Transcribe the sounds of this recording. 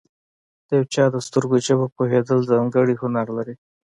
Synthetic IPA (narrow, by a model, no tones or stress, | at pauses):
d̪̥əjawt͡ʃɑd̪əst̪əɾɡoʒabapoɦed̪əlzaŋɡəɽihʊnaɾlaɾi